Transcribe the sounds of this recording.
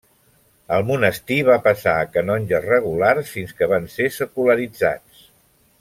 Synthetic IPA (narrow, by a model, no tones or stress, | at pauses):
əlˠmunəst̪iβapəsaəkənɔnʲʒərəɣ̞ularsfinskəβansesəkuləɾid͡za̰t͡s